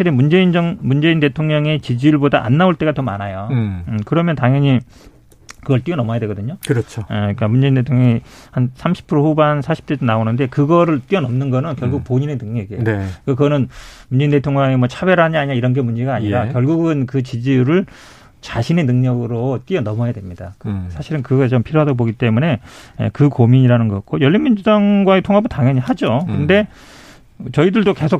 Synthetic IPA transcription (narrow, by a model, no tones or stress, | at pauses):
aɕʰiɾemund͡ʑe̞ind͡ʑʌŋmund͡ʑe̞inde̞tʰoŋɲʌŋe̞t͡ɕid͡ʑijuɭboda̰ʔa̰nːaoɭt͈e̞ɡatʌmanajokɯɾʌmjʌntaŋjʌɲi | kɯɡʌɭt͈iʌnʌmʌjadwe̞ɡʌdɯɲokɯɾʌt͡ɕʰoek͈amund͡ʑe̞indetʰoŋɲʌŋihansʰamɕʰi̥pʰɯɾoɸubansʰaɕʰi̥p̚t͈ed͡ʑonaonɯnde̞kɯɡʌɾɯɭt͈iʌnʌmnɯnɡʌnɯnkjʌɭɡuk̚poɲine̞nɯŋɲʌɡienkakɯɡʌnɯnmuɲd͡ʑindte̞tʰoŋɲʌŋemwʌt͡ɕʰabeɾaɲiaɲiaiɾʌnɡe̞mund͡ʑe̞ɡaːɲiɾakjʌɭɡuɡɯnkɯt͡ɕid͡ʑijuɾɯɭ | t͡ɕaɕʰine̞nɯŋɲʌɡɯɾot͈iʌnʌmʌjadwemɲid̥akɯsʰaɕʰiɾɯnkɯɡʌt͡ɕompʰiɾjoɦadʌboɡit͈e̞mune̞jḛkɯkomiɲiɾanɯnɡʌk͈ojʌʎːinmind͡ʑudaŋɡwae̞tʰoŋɦabɯntaŋjʌɲihad͡ʑokɯnde̞ | t͡ɕʌidɯɭdoke̞sʰok